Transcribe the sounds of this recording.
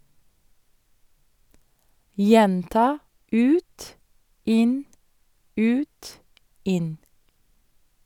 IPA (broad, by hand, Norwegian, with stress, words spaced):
ˈjɛntɑː ˈʉːt ˈɪn ˈʉːt ˈɪn